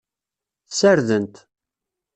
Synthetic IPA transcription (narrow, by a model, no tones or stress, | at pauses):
θsəɾðənt̪